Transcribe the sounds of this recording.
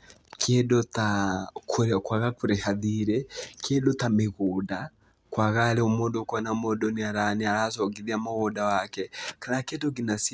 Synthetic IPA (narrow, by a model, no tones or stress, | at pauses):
kiɛdɔtakkwaɣakuɾɛhaðiɾɛkiɛdɔt̪ameɣuda | kwaɣalɛumɔdɔkanamɔdɔniaɾanialasɔɡiðiamɔɣɔdawakɛkalakɛtɔk̬inasi